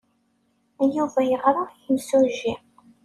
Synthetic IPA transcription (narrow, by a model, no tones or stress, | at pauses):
æjuvæjəʁɾˤɑjəmsuʒi